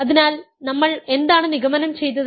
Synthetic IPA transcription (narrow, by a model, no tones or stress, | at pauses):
ɐðinaːl | nɐmːɐɭe̞nd̪aːɳɨniɣɐmɐnɐmt͡ɕe̞jt̪ːɐð